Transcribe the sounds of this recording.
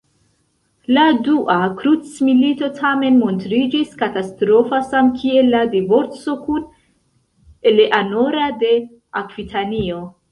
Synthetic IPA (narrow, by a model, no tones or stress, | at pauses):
laduʔakɾut͡smilito̞tʰame̞nmo̞ntɾid͡ʒiskatastɾo̞fasamkʰie̞lːadivo̞ɾt͡so̞kun | eleʔano̞ɾade̞ | akvitʰanio̞